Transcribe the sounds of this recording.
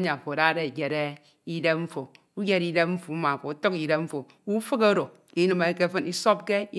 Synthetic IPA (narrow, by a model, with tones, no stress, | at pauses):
ɲa˨fo˨ɾa˦ɾe˦˨ɡe˨ɾe˦ | i˦de˦ɱ̩˦fo˨ | u˦ɡe˦ɾi˦de˦pɱ̩˦fu˨˦ma˨fo˨u˦to˦ki˨ɾe˦pm̩˦fo˨ | u˦fɨ˦ko˦ɾo˨ | i˦nɨ˨me˨˦ke˦fɨ˦ni˦so˦b̚ke˦i˦